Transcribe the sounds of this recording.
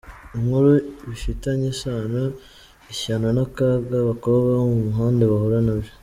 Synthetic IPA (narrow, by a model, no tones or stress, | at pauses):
imhuɾuβifitaɲesaːno | içaːnonakaɡaβakoβɡaomumuɦaːndeβahoɾanaβjo